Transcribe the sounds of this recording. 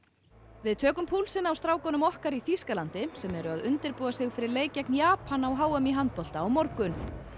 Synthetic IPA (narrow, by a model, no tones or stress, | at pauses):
vɪðt̪ʰœːkʏmpʰuːlsɪnawst̪ɾaːwkɔnʏmɔhkaɾiθiskalant̪ɪsɛmɛɾʏaðʏnt̪ɪɾpuːðasɪɣfɪɾɪɾleːjcɛknjaːpʰanawɦaːwɛmiɦant̪̚pɔl̥t̪aːwmɔɾkʏn